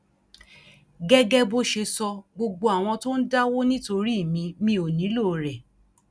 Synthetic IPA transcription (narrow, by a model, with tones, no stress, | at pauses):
ɡɛ˦ɡɛ˦bo˦ʃe˧sɔ˧ɡ͡bo˧ɡ͡bo˧a˨w̃ɔ̃˧to˦n̩˦da˦wo˦nĩ˦to˧ɾi˦˨mĩ˧˦mĩ˧˦o˨nĩ˨˦lo˦˨ɾɛ˨